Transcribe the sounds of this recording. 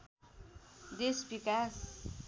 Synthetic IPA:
d̪esbikas

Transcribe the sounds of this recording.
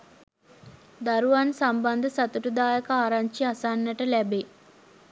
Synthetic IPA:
d̪aɾuʋansamband̪əsat̪uʈud̪aːjəkəaːɾaɲt͡ʃiasanːɐʈəlɛbe

